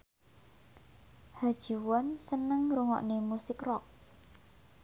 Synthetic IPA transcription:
had̥ʒ̥i̤wɔnsənəŋɾuŋɔ̰ʔnemusɪkrɔk̚

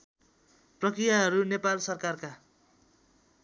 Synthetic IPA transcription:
prʌkrijaɦʌɾunepalsʌrkarka

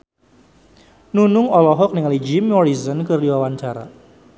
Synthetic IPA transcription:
nunʊŋɔlɔɦɔk̚nɪŋalid͡ʒimɔɾizənkɨrdiwawaɲt͡ʃaɾa̰

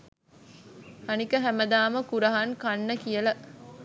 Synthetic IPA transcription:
hɐnikɐɦæmɐd̪aːmɐkuɾɐɦɐŋkɐnːɐkijɐlɐ

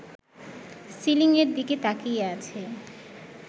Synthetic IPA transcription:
siliŋeɾd̪iket̪akijat͡ɕʰe

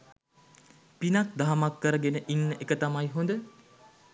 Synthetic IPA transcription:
pinak̚d̪aɦmakːəɾəɡenəʔinːəʔekət̪amajɦond̪ə

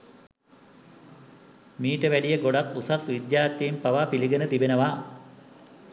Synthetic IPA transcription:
miːʈəʋæɖijəɡoɖak̪usasʋid̪jaːrt̪iːmpaʋaːpiliɡənət̪ibenəʋaː

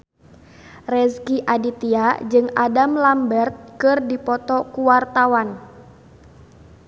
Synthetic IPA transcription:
rɛskiʔadit̪iad͡ʒɨŋadamlambɛrt̪̚kɨrdipɔt̪ɔkuwart̪awan

